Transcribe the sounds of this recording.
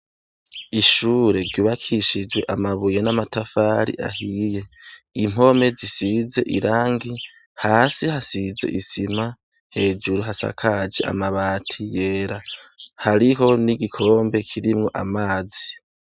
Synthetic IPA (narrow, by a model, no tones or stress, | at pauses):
iʃuːɾe̞ɾɟuːβakʰiʃid͡ʒwe̞ʔamaβujenamatafaɾḭʔa̰hije̞ | im̥o̞me̞zisize̞ʔiɾaːŋɡi | haːsihasize̞̰ʔisima | he̞ːd͡ʒuɾuɦasa̰kʰad͡ʒḛʔa̰maβatʰije̞ːɾahaɾiɦo̞niɡikʰo̞ːmbe̞kʰiɾimŋo̞ʔamaːzi